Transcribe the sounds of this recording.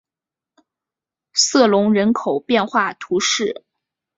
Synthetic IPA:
sɤ˥˩lʊ˧˥ŋɻə˧˥nkʰo˨˩ʊpjɛ˥˧nxwa˥˩t̪ʰu˧˥ʂɻ̩˥˩

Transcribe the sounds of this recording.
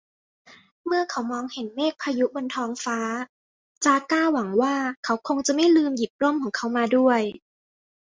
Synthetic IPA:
mɯ˥˩ɐkʰa˨˦wmɔː˧ŋhe˨˦nmeː˥˩k̚pʰaː˧ju˦˥bo˧nt̪ʰɔː˧ŋfaː˦˥ | t͡ɕaː˧kaː˥˩wa˩˦ŋwaː˥˩kʰa˦˥wkʰo˧ŋt͡ɕa˨˩ma˥˩jlɯː˧mji˨˩p̚lo˥˩˨mkʰɔː˩˦ŋkʰa˦˥wmaː˧du˥˩əj

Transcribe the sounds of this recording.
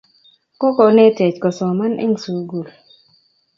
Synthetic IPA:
kɔ˦kɔ˨ne˦te˨t͡ʃkɔ˨sɔ˨ma˦nʔḛ˦ŋsu˨ɡu˨l

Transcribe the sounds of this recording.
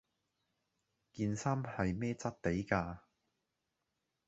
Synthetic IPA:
kiː˧nsaː˥mhɐ˨jmɛː˥t͡sɐ˥t̚t̪e˨˥jkaː˧

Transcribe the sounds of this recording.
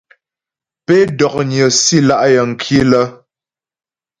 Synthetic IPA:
pe˦dɔ˨k̚ɲə˨si˦˨la˦ʔjə˨ŋ̩˨kʰi˦lə˦

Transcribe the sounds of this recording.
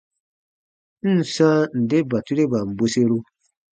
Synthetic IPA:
n̩˦˨sã˦n̩˨de˦ba˨tu˦ɾe˦ba˨m̩˨bo˧se˦ɾu˦

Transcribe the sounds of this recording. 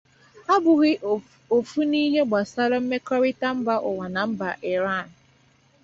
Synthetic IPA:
a˦bʊ˨ɣɪ˦ʔ | o˨fu˦ni˦ɦe˦ɡ͡ba˨sa˦ɾɔ˦m̩˦me˦kɔ˦ɾɪ˦ta˦m̩˦ba˦ʔʊ˨wa˨na˨m̩˦ba˨ʔɪ˨ɾa˦˨n̩˨

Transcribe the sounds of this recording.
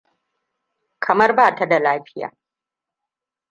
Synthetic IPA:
kʰɐ˨mɐ˦rbaː˦˨ta˦da˨laː˦ɸɪ̥˦ja̰ː˨

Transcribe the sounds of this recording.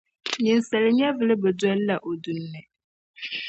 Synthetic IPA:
ɲi˨nsa˨lɪ˨ɲɛ˦vɨ˨lɨ˦bɛ˨dɔ˦lla˨ʔo˨du˦nːɨ˨

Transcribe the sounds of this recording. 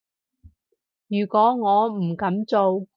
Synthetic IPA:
jyː˨˩kʷɔː˨˥ŋɔː˨˧m̩˨˩kɐ˨˥mt͡so˨˧w

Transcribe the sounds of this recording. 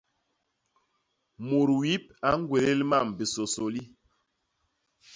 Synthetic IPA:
mo˨ɾwi˦p̚a˦ŋ˦ɡwe˨le˦lma˦˨mbi˨so˨so˨li˦

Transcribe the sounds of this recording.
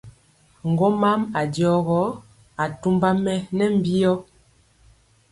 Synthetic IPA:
ŋ̩˨ɡɔ˦ma˦ma˨djɔ˨˦ɣɔ˨˦ | a˨tu˦mba˦mɛ˦nɛ˦m̩˦bi˦jɔ˦

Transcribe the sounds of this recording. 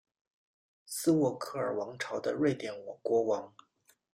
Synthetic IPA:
sɹ̩˥wɔ˥˧kʰɤ˥˩ə˞˨˩wɑ˧˥ŋʈ͡ʂʰɑ˧˥ʊd̪ə˧ɻwe˥˩ɪt̪jɛ˨˩nwɔ˨˩kwɔ˧˥wɑ˧˥ŋ

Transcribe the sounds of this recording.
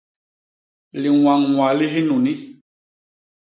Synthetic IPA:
li˨w̃a˨ŋwa˨li˦ɦi˦nũ˨ni˦

